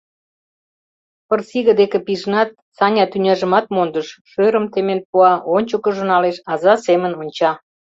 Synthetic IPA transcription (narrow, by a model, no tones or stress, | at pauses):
pərsiɣə̆d̪ekepiʒnɑt̪̚ | sɑnʲɑt̪ynʲɑʒəmɑt̪̚mond̪əʃʃøɾəmt̪emenpuɑʔonʲt͡ɕəkə̆ʒə̆nɑleʃɑzɑsemənonʲt͡ɕɑ